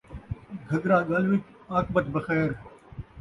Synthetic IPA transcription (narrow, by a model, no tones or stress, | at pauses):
ɡʱɐɡ̪ɾaːɡɐlʋɪk | aːkbɐt̪bɐxɛːɾ